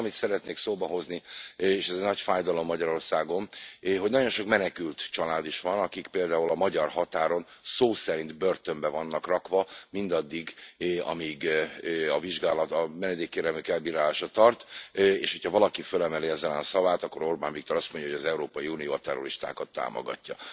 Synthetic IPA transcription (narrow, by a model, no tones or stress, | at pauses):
mit̪sɛɾɛt̪neːksoːbɒɦo̞znieːʃɛzɛnɒcfaːjd̪ɒlo̞mːɒɟɒɾo̞rsaːɡo̞nɦo̞ɟnɒɟo̞nʃo̞kmɛnɛkylt̪t͡ʃɒlaːd̪iʃʋɒnɒkikpeːld̪aːulɒmɒɟɒrhɒt̪aːɾo̞nsoːsɛɾint̪bø̞rt̪ø̞mbɛvɒnːɒkrɒkvɒmind̪ɒd̪ːiɡɒ̰miɡ | ɒviʒɡaːlɒt̪ɒmɛnɛd̪eːkːeːɾɛlmykɛlbiːɾaːlaːʃɒt̪ɒrt̪ḛːʃhocʰhɒvɒlɒkifølɛmɛliɛzɛlɛnɒsɒvaːt̪ɒkːo̞ɾo̞rbaːnvik̚t̪o̞ɾɒst̪mo̞ɲɟɒɦoɟɒzɛuɾoːpɒjiuːnijo̰ːɒt̪ɛro̞̰ɾiʃt̪a̰ːkɒt̪ːa̰ːmo̰ɡɒ̰cːɒ